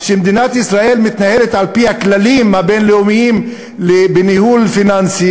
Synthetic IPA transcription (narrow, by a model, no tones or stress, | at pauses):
ʃemd̪inat̪ʔisʁaʔelmit̪nahelet̪ʕalpihaklalimːabenleʔumijim | lebenihulfinansi